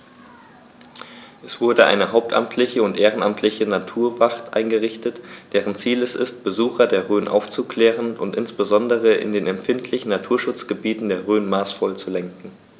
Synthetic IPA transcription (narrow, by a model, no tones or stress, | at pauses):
ʔɛsv̥ʊɐdəʔa̰ɪnəɦaʊp̚tʔa̰mtʰlɪçəʊntʔeːʁ̞ənamtʰlɪçənatʰuːɐvaχtʔa̰ɪnɡəʁɪçtətd̥ɛːʁənt͡siːlɛsɪ̰st̚b̥əzuːxɐdeːɐʁøːnʔa̰ʊft͡sukʰl̥ɛːʁənʔʊntʔɪnsb̥əzɔndəʁ̞əʔɪ̰ndeːnɛmfɪntʰlɪçn̩natʰuːɐʃʊt͡sɡ̥əbiːtn̩deːɐʁøːnmaːsfɔlt͡sulɛŋkŋ̩